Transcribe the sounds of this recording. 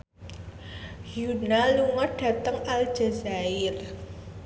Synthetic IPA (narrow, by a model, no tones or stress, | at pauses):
hjunaluŋɔr̚ɖ̥ä̤t̪əŋal̥d͡ʒ̥azaɪr